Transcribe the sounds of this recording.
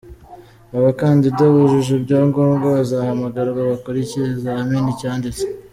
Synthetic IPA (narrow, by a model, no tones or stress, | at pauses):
aβakaːndidaβuʒuʒubɟaːŋɡoːmŋɡaβazahamaɡaɾaβaβakoɾiciɾezaminicaːndit͡se̥